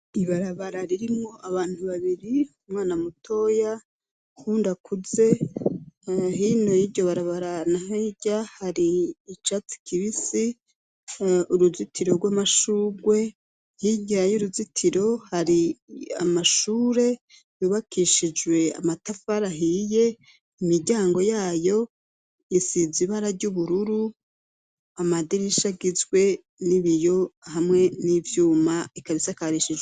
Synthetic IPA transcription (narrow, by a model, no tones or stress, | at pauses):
iβaɾaβaɾaɾiɾimŋo̞ʔaβaːn̥huβaβiɾiumŋaːnamutʰo̞ːja | huːndakʰuze̞ | ɦino̞jiɟo̞βaɾaβaɾanaɦeɟahaɾiːt͡ʃat͡si̥kʰiβisi | uɾuzitʰiɾo̞ɾɡwaːmaʃuːɡwe̞ | hiɟiajuɾuzitʰiɾo̞haɾia̰maʃuːɾe̞ | juβakʰiʃid͡ʒwe̞a̰matafaɾaɦije̞ | imiɾɟaːŋɡo̞jaːjo̞ | jisiziβaɾaɾɟuβuɾuɾu | amadiɾiʃaɡizɡwe̞ | niβijo̞hamŋe̞nivjuːmaikaβisakaɾiʃid͡ʒwe